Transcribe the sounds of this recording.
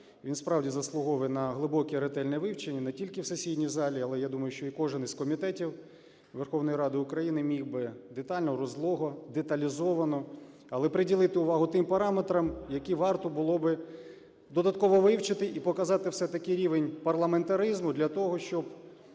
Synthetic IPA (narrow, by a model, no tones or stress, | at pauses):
ʋʲinspɾɑwdʲizɐslˠʊɦɔʋɛnɐɦlˠɪbɔkʲɛɾet̪ɛlʲnɛʋɪwt͡ʃenʲːɐnɛtʲilʲkɪwsesʲidʲnʲizɑlʲiɐlˠɛjad̪umɐjʊʃt͡ʃɔikɔʒɪnizkɔmʲit̪ɛtʲiw | ʋerxɔwnɔjɾɑd̪ɪʊkɾɐjinɪmʲiwbɪd̪et̪ɑlʲnɔɾɔzlˠɔɦɔd̪et̪ɐlʲizɔʋɐnɔ | ɐlˠɛpɾɪdʲilˠɪt̪ɪʊʋɑɦʊt̪ɪmpɐɾɑmet̪ɾɐmjɐkɛʋɑrt̪ɔbʊlˠɔbɪ | d̪ɔd̪ɐt̪̚kɔʋɔʋɪwt͡ʃɪt̪ɪʔipɔkɐzɑt̪ɪwsɛt̪ɐkɪɾʲiʋenʲpɐrlˠɐment̪ɐɾɪzmʊd̪lʲɐt̪ɔɦɔʃt͡ʃɔb